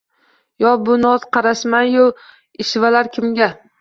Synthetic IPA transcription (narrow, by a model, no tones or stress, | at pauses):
jɒbʊnɒzqʰɑɾaʃmanjo | ɪʃvalaɾkʲʰɪmɡʲa